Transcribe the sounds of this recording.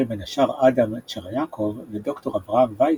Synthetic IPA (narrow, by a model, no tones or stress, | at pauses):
lbenaʃaʁadamt͡ʃaʁjakʰo̞vːedo̞kto̞ʁavʁaamvaj